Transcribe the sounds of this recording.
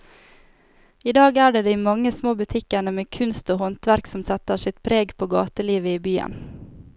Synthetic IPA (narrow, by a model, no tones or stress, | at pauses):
iːd̪ɑːɡæːɖeːd̪iɪmɑŋːəsmoːbʉt̪ʰɪkəɳəmeːkʰʉnst̪oːhɔnt̪ʋæɾksɔmsɛt̪əsɪt̪pʰɾeːɡpʰoːɡɑ̰ːt̪əliːʋəiːbyːə̰n